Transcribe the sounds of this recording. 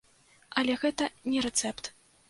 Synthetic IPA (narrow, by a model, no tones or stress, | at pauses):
ɐlʲɛɣɛt̪ɐnʲɛɾɛt̪sɛpt̪